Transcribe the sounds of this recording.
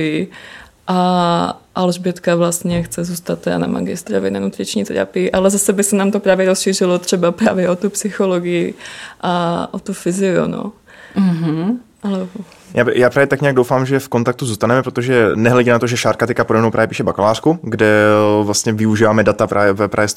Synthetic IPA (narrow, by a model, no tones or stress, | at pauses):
ɪ | ʔa | ʔalʒbjɛt̪kavlast̪ɲɛxt͡sɛzuːst̪at̪ːɛda̰na̰ma̰ɡɪst̪ɾovɪnanut̪ɾɪt͡ʃɲḭːt̪ɛ̰ɾa̰pɪɪʔalɛzasɛbɪsɛnaːmt̪opɾaːvjɛɾosʃiːrɪlot̪r̝̥ɛbapɾa̰ːvjɛʔot̪upsɪxoloɡɪjɪʔaʔot̪ufɪzɪṵno̰ | ɦ̩ | ʔalɛbo | jʔaːjaːpɾaːvjɛt̪akɲɛaɡ̚dowfaːmʒɛfkont̪ak̚t̪uzuːst̪anɛmɛpɾot̪oʒɛnɛɦlɛɟinat̪oʒɛʃaːɾkat̪ɛkapodomnowpɾaːvjɛpiːʃɛbakalaːr̥kuɡdɛvlast̪ɲɛvɪuʒiːvaːmɛdat̪apɾʔaːvjɛvɛpɾaːvjɛ